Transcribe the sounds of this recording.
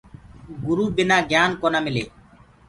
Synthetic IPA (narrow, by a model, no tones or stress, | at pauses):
ɡʊɾuːbɪnaːɡjaːnkoːnaːmɪleː